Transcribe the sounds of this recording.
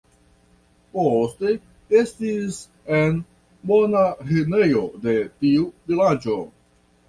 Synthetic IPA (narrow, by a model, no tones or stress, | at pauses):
poste | estis | en | bo̞naɦenejo̞de̞tiuvilad͡ʒo̞